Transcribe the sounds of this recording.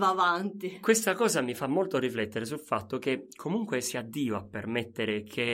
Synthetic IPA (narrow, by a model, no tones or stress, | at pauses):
vavant̪ikwest̪akɔːzamifamːolt̪oriflɛt̪ːeɾes̬ulfat̪ːok̟ekʰːomuŋkwesiad̪ːiːoapːermet̪ːeɾekʰe